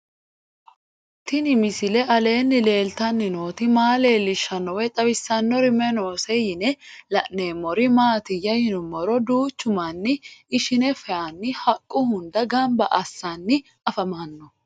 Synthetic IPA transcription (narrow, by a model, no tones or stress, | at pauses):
t̪ɪnɪmɪsɪlɛʔɐle̞ːnːɪle̞ːlt̪ɐnːɪnoːt̪ɪmaːle̞ːlːɪʃːɐnːɔwɛt̪ʼɐwɪsːɐnːɔɾɪmɛnoːsɛjɪnɛlɐʔneːmːɔɾɪmaːt̪ɪjɐjɪnʊmːɔɾɔd̪uːt͡ʃːʊmanːɪɪʃɪnɛfɛanːɪhɐkʼːʊhʊnd̪ɐɡɐmbɐʔɐsːanːɪ | ɐfɐmanːɔ